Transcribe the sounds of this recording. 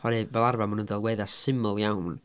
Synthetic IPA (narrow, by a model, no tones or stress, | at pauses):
hɔɾɨvɛlˠarvamʊnənðɛlˠwɛɨðasɪməlˠjawn